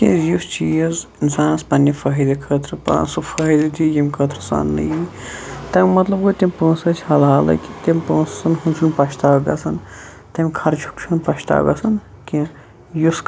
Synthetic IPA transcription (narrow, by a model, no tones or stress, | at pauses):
kḭ̃just͡ʃiːjɐzinsaːnɐspɐnːɐfɐɦid̪ɐkʰəːt̪ɾɨpã̰ːsufɐɦəd̪ɐt̪ʰʲijimʲkʰət̪ɾɐsa̰ːnlɐ̰j | t̪ɐmʲmɐt̪lɐbɡot̪ʲimʲpə̃ːsɐt͡ʃʰhɐlɦaːlɐ̰ki̥t̪empə̃ːssɐnɦunsʰunpɐʃt̪aːɡɐ̰sʰɐn | t̪ɐmʲkʰɐɾt͡ʃʰu̥kt͡ʃʰunpɐʃt̪a̰ːɡɐ̰sɐn | kĩ | jusk